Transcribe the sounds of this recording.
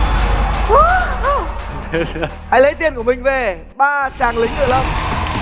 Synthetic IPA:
s | ha˨˧˦jlə˨˦jt̪i˨˩ənku˧˩mï˨˩ŋ̟ve˨˩ | ɓaː˧t͡ɕaː˨˩ŋlï˨˦ŋ̟t̪ɨ̰˧˨lə˧˩m

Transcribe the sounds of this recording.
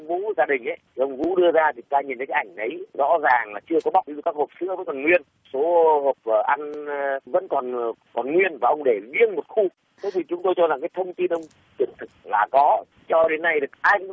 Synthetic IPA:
ŋ͡mvṵ˧˥zaː˧ɗï˨˩ŋ̟ʔə˨˦jt̪ʰi˨˩ʔə˧wŋ͡mvṵ˧˥ɗɨ˧əzaː˧t̪ʰi˨˦t̪aː˧ɲi˨˩nt̪ə˨˦kːaː˨˦˩ʔa˧˩ŋ̟ʔə˨˦jzɔ̰˧˥zaː˨˩ŋlaː˨˩t͡ɕɨ˧əkɔ˨˦ɓa˨˩w̚ʔɨ˧kaː˦˥k̚hoː˨˩p̚sɨ̰˧˥əvə̰˧˥nkɔ˨˩nŋwi˧ən | so˨˦ho˨˩p̚əː˨˩ʔa˧nvə̰˧˥nkɔ˨˩n | kɔ˨˩nŋwi˧ənvaː˨˩ʔə˧wŋ͡mɗe˧˩vi˧ənmo˨˩t̚xu˧ | t̪e˨˦t̪ʰi˨˩t͡ɕʊ˨˦ŋ͡mt̪o˧jt͡ɕɔ˧za˨˩ŋkaː˨˦jt̪ʰə˧wŋ͡mt̪i˧nʔə˧wŋ͡m | t͡ɕḭ˧˩ənt̪ʰɨ˨˩k̚laː˨˩kɔ˨˦ | t͡ɕɔ˧ɗe˨˦nːa˧jɗɨ˨˩ə˩k̚ʔa˧jŋ̟

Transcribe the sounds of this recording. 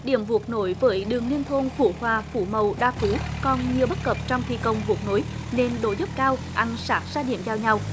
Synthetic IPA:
ɗḭ˧˩˨əmvu˨˩ək̚no˧˦jvəː˨˦jɗɨ˨˩əŋli˧ənt̪ʰo˧nfṵ˧˩hwaː˨˩fṵ˧˩mə˨˩wɗaː˧fu˨˦kɔ˨˩nɲi˨˩əwɓə˦˥t̚kə˨˩p̚t͡ɕɔ˧wŋ͡mt̪ʰḭ˧˨˩kə˨˩wŋ͡mvu˨˩k̚no˨˦jne˧nɗo˧˦zu˦˥p̚kaː˧wʔa˧˩nsaː˦˥k̚zaː˧ɗḭ˧˨əmzaː˧wɲa˧w

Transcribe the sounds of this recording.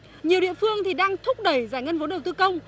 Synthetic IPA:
ɲi˨˩əwɗḭ˧˨fɨ˧əŋt̪ʰi˨˩ɗaː˧ŋt̪ʰʊ˦˥k͡p̚ɗə˧˩jzaː˧˩jŋə˧nvo˨˦ɗə˨˩wt̪ɨ˧kə˧wŋ͡m

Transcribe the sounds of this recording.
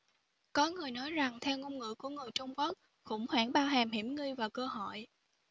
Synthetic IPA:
kɔ˨˦ŋɨ˨˩əjnɔ˨˦jza˨˩ŋt̪ʰɛ˧wŋo˧ŋ͡mŋɨ̰˧˨ku˧˩əŋɨ˨˩əjt͡ɕʊ˧wŋ͡mku˦˥k̚ | xʊ̰˧˥ŋ͡mhwaː˧˩ŋɓaː˧wɦaː˨˩mhi˧˩mŋɨ˧jvaː˨˩wkəː˧ɦɔ̰˧˨j

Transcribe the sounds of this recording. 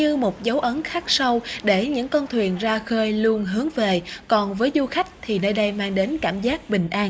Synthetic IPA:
ɲɨ˧mo˨˩t̚zə˨˦wʔə˨˦nxaː˦˥k̚sa˧wɗe˧˩ɲɨ̰˧˥ŋkɔ˧nt̪ʰwḭ˨˩ənzaː˧xəː˧jlu˧ənɦɨ˨˦əŋve˨˩kɔ˨˩nvəː˨˦jzu˧xa˦˥jk̟̚t̪ʰi˨˩nəː˧jɗə˧jmaː˧ŋɗe˨˦nkaː˧˩mzaː˦˥k̚ɓï˨˩ŋ̟ʔaː˧n

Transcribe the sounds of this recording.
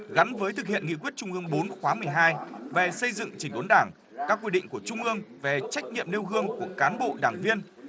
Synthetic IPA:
ɣa˨˦nvəː˨˦jt̪ɨ˨˩hḭ˧˨ənŋḭ˧˨kwi˦˥ət̚t͡ɕʊ˧ŋ͡mʔɨ˧əŋɓo˨˦nxwaː˨˦mɨ˨˩əjɦaː˧jve˨˩sə˧jzɨ̰˧˨ŋt͡ɕï˧˩ŋ̟ʔo˨˦nɗaː˧˩ŋ | kaː˦˥kːwi˧ɗḭ̈˧˨ŋ̟ku˧˩ət͡ɕʊ˧ŋ͡mʔɨ˧əŋve˨˩t͡ɕa˦˥jk̟̚ɲḭ˧˨əmne˧wɦɨ˧əŋku˧˩əkaː˨˦nɓo̰˧˨ɗaː˧˩ŋvi˧ən

